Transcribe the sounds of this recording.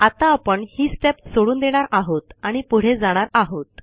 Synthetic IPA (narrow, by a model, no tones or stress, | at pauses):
at̪aːpəɳhiːsʈepsoɽuːnd̪eɽ̃aɾaɦot̪aɽ̃ipuɽ̤ed͡zaɽ̃aɾaɦot̪